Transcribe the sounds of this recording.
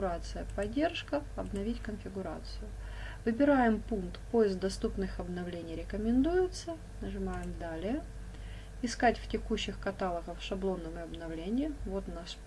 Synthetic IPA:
ʊɾat̪sɨjəpɐdʲːe̞rʂkəɐbnɐvʲitʲkənfʲɪɡʊɾa̰t̪sɨjʊ | vɨbʲɪɾajɪmpunkt̪pojɪsk̚d̪ɐst̪upnɨxɐbnɐvlʲenʲɪjɾʲɪkəmʲɪnd̪ujɪt̪sə | nəʐɨmajɪmd̪alʲɪjə | ɪskatʲftʲɪkuɕːɪxkɐt̪alˠəɣəfʂɐblˠo̞nːəməɐbnɐvlʲenʲɪjɪvo̞t̪naʂ

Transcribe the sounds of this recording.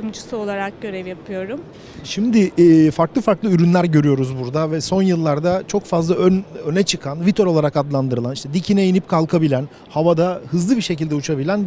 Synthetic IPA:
md͡ʒusɯo̞lˠaɾak̚ɟø̞ɾɛvjapʰɯjo̞ɾʊm | ʃimd̪ɪfaɾklˠɯfaɾklˠɯyɾynlʲæɾɟø̞ɾyjo̞ɾuzbuɾd̪avɛso̞njɯlˠːaɾd̪at͡ʃʰo̞kfazlˠaønønɛt͡ʃʰɯkʰanvit̪ʰøɾo̞lˠaɾakad̪lˠand̪ɯɾɯlˠaniʃt̪ɛd̪icʰinɛjinip̚kʰalˠkʰabilʲæn | havad̪ahɯzlˠɯbiɾʃe̞cilʲd̪ɛut͡ʃʰabilʲæn

